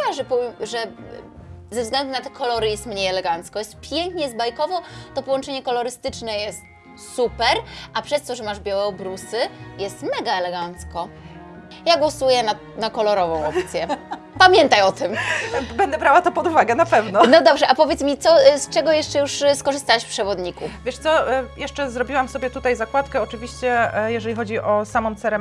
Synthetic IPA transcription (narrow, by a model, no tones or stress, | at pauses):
aʐɛpɔʐɛ | zɛvzɡlɛnd̪unat̪ɛ̥kʰɔlɔɾɨjɛst̪mɲejɛlɛɡant̪skɔjɛst̪pʲjɛŋkɲɛzbajkɔvɔt̪ɔpɔwɔnt͡ʂɛɲɛkɔlɔɾɘst̪ɘt͡ʂnɛjɛst̪̚ | supɛɾʔapʂɛst̪ɔʐɛmaʐbʲjawɛɔbɾusɘjɛst̪mɛɡaɛlɛɡant̪skɔ | jaɡwɔsujɛna | nakɔlɔɾɔvɔ̃w̃ɔpt̪sʲjɛ | pamʲjɛnt̪ajɔt̪ɘmbɛnd̪ɛbɾawat̪ɔpɔd̪uvaɡɛnapɛvnɔnɔd̪ɔbʐɛʔapɔvʲjɛt̪smʲit̪sɔst͡ʂɛɡɔjɛʂt͡ʂɛjuʂskɔʐɨst̪awɛʃfpʂɛvɔd̪ɲikufvʲjɛʂt̪sɔjɛʂt͡ʂɛzɾɔbʲiwamsɔbʲjɛt̪ut̪ajzakwat̪kɛɔt͡ʂɘvʲiɕt͡ɕɛjɛʐɛlʲixɔd͡ʑiʔɔsamɔmt̪sɛɾɛ